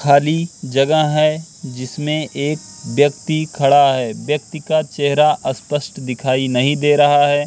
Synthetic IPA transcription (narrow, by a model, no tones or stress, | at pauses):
kʰaːlid͡ʒɐɡəɦɛd͡ʒɪsmẽʔeːk̚ | ʋjɐk̚t̪ikʰɐɽaɦɛːʋjɐk̚t̪ikat͡ʃɛɦɾaʔɐspəʃʈd̪ɪkʰaːinɐɦĩd̪eːɾɐɦaɦɛː